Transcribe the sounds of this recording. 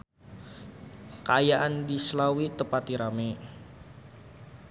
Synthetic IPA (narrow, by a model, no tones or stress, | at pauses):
kəajaʔandislawit̪əpat̪iɾame